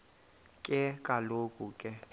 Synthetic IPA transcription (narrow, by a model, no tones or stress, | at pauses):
kʼɪkʼalokʼukʼɪ